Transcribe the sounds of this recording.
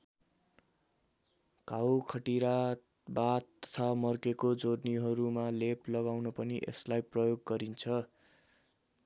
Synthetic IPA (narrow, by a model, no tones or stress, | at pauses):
kawkʰʌʈiɾa | bat̪ːʌ̥t̪ʰamʌrkekod͡zorniɦʌɾumaleplʌɡawnʌpʌniʔḛslajprʌjoɡːʌɾint͡sʰʌ